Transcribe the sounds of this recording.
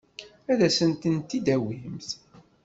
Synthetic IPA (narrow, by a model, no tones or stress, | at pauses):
æðæsənt̪ənt̪id̪æwimθ